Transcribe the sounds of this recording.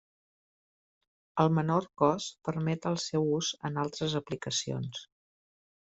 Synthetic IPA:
əlˠmənorkɔspəɾmɛt̪əlˠsɛwuzə̰nalˠt̪ɾəzəplikəsio̰ns

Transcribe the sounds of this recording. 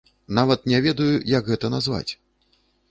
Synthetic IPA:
navɐt̪̚nʲɛvʲɛd̪ɐjujɐɡɣɛt̪ɐnazva̰t͡sʲ

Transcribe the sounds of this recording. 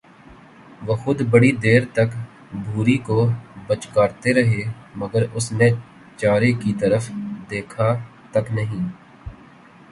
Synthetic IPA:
ʋoxʊd̪bɐɽid̪eːɾt̪ɐk | bʱuːɾikobɐt͡ʃkaːɾt̪eɾɐɦeːmɐɡəɾʊsne | t͡ʃaːɾekit̪ɐɾəfd̪eːkʰa | t̪ɐknɐɦĩː

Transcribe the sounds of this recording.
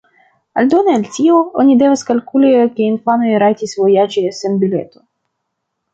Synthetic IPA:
a̰lʲd̪onealʲtʲioo̰nʲid̪evaskalʲkulʲikʲeinfanojɾajt̪ʲisʲvojad͡ʒisenbʲilʲḛt̪o̥

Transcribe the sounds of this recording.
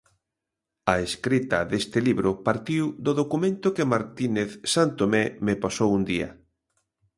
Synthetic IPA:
ɐeskɾit̪ɐðest̪ɪliβɾʊpaɾt̪iwd̪oðokumẽnt̪ʊkɪmaɾt̪ineθsant̪omemepasowund̪iɐ̰

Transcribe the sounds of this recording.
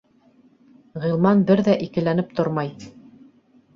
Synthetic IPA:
ʁilˠmɑnbɘɾðæʔikɘ̆lænɘp̚t̪ʰoɾmɑj

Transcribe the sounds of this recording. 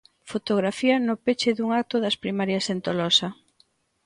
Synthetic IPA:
fot̪oɣ̞ɾafiɐnʊpet͡ʃɪðuŋak̚t̪oðɐspɾimaɾjɐsent̪olɔsɐ

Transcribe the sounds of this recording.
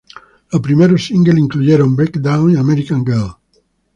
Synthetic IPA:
apɾimeɾosiŋɡeliŋkluʎeɾombekd̪awniameɾikaŋɡel

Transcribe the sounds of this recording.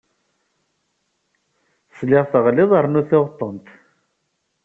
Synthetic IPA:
slɪʁˤθəʁlɪðˤəɾˤnuθɪʁt̪ˤːənt̪

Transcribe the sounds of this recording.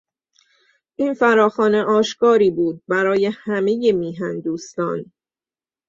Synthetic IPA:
ʔiːnfæɾɒːxɒːne̞ʔɒːʃkɒːɾiːbuːd̪̚bæɾɒːje̞hæme̞jemiːɦænd̪uːst̪ɒ̰ːn

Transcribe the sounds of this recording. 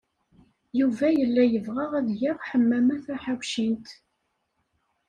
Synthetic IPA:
juvæjəlːæjəvʁəʁæðʝɪʁħəmːæmæθæħawʃint̪

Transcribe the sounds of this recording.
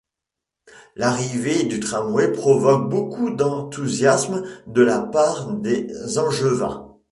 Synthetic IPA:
laʁived̪yt̪χamwepχɔvɔk̚bokud̪ɑ̃t̪uzjasmd̪əlapaʁd̪ezɑ̃ʒəvɛ̰̃

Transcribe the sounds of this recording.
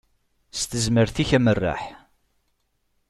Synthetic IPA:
st̪əzməɾθiçæmərːa̰ħ

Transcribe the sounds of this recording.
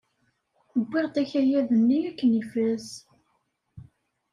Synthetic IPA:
əbʷːɪʁt̪æçæjæðənːiækːənifæz

